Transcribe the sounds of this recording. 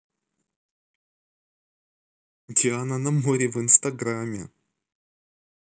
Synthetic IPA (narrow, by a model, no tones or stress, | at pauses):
dʲɪanɐnɐmoɾʲɪvɨnst̪ɐɡɾamʲːɪ̰